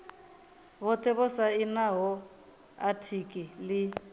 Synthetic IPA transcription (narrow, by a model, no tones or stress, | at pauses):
βɔt̪ʼɛβɔsainaɦɔ | atʰikʼilɪ